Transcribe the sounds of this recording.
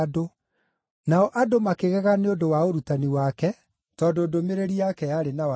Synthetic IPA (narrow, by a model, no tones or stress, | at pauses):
do | naɔʔadomakeɣɛɣaneodowaoɾutaniwakɛ | tɔdoːdomeɾeɾiakɛjaɾenawa